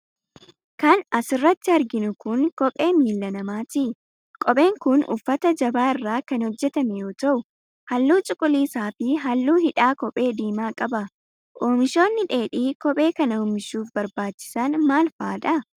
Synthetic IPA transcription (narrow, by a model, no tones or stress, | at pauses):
kɐnɐsɪrːɐt̪ːɪɐɾɡɪnʊkʊŋkɔpʼe̞ːmiːlːɐnɐmaːt̪ɪ | kʼɔpʼe̞ːŋkʊnʊ̰fːɐt̪ɐd͡ʒɐbaːɪrːaːkɐnhɔd͡ʒːɛt̪ɐmɛjo̞ːt̪ɐʔʊ | hɐlːuːt͡ʃʼʊkʼʊliːsaːfɪɦɐlːuːhɪᶑaːkɔpʼe̞ːd̪iːmaːkʼɐbɐ | ʔoːmɪʃo̞ːnːɪᶑe̞ːᶑiːkɔpʼe̞ːkɐnɐoːmɪʃuːfbɐɾbaːt͡ʃːɪ̥sɐnmaːlfaːᶑ̪ɐ